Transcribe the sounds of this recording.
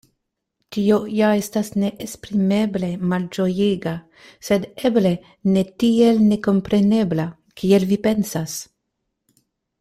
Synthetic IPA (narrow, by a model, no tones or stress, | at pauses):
tiojaestasneʔːspɾime̞ble̞mald͡ʒojeɡa | se̞d̪eble̞ | netielne̞ko̞mpɾe̞ne̞bla | kʰielvipe̞nsas